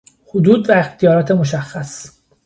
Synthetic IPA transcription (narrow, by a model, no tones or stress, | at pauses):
hod̪uːd̪væext̪ʰijɒːɾɒːt̪ʰemoʃæxːæs